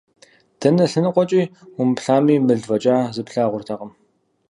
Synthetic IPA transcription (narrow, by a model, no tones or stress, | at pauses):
d̥ɐnɐɬɨnɨqʷʼɔt͡ʃʼiːʊmpɬaːmiːmɨɮvɐt͡ʃʼaːzɨpɬaːʁʷʊrtʰɐqʼəm